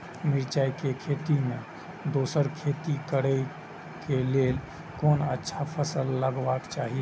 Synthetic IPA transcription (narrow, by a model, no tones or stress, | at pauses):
miɾt͡ʃajkekʰet̪ime | d̪osəɾkʰet̪ikəɾə | kelel | konətːʃʰapʰəsəlːəɡʋakt͡ʃaɦi